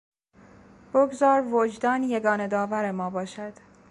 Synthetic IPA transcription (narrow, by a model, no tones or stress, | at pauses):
b̥oɡzɒːɾvod͡ʒd̪ɒːnje̞ɡɒːned̪ɒːvæɾe̞mɒːbɒːʃæd̪̥